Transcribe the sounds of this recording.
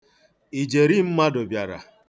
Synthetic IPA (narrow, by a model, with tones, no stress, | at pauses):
i˨d͡ʒe˨ɾi˦m̩˦ma˦do˨bja˨ɾa̰˨